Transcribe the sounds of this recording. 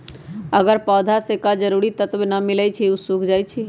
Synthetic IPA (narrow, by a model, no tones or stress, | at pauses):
əɡəɾpɔːd̪ʱasekad͡ʒəɾuɾit̪ət̪benəmilɛt͡ʃʰiusukʰd͡ʒajt͡ʃʰi